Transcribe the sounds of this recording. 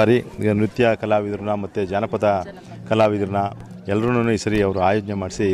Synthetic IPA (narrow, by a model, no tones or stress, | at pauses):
aɾinɾut̪jɐkɐlaːʋid̪ɾnɐmɐt̪ːed͡ʒaːnɐpɐd̪ɐ | kɐlaːʋid̪ɐɾnɐ | ɛlːɐɾɐnːunːuisɐɾiɐʋɐɾuaːjoːd͡ʒnemaːɽisi